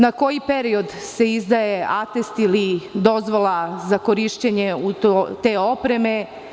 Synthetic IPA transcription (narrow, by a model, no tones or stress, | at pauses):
nako̞jipe̞ɾio̞d̪se̞izd̪ajeat̪est̪ilid̪o̞zʋolˠazako̞ɾiʃt͡ɕeɲeut̪ot̪e̞ːo̞pɾe̞me̞